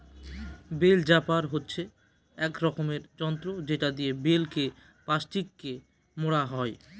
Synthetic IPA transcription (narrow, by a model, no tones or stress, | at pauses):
beld͡ʑapaɾɦotːɕʰe | ɛkɾɔkomeɾd͡ʑɔnt̪ɾod͡ʑeʈad̪ijebelke | paʃʈikːe | moɽaɦɔe